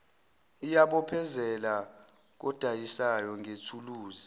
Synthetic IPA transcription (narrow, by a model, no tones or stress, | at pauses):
ijaɓɔpʰɛzɛla | k̬ɔd̥ʱajisajɔŋʱetʰuluːzi